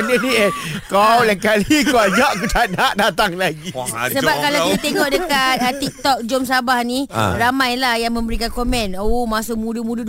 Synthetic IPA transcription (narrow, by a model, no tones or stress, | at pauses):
ndəniekawlɛkalikawad͡ʒaʔkutanaʔdat̪aŋlaɡisəbap̚kalawkit̪it̪eŋɔʔdəkat̪̚ət̪ik̚t̪ɔk̚d͡ʒɔmsabahniramãjlahjaŋmə̃mbəɾikankomɛ̃nomasomũdumũdu